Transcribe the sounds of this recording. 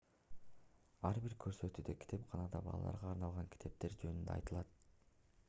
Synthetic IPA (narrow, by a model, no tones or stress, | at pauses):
ɑɾbiɾkʰø̞ɾsø̞t̪yːd̪ekʰʲi̥t̪ʰe̞pqʰɑnɑd̪ɑbɑ̰lˠɑ̰lˠɑ̰ɾʁɑːɾnɑlˠʁɑŋkʲʰi̥t̪ʰe̞p̚t̪e̞ɾd͡ʒønynd̪eɑ̰jt̪ɯlˠɑt̪̚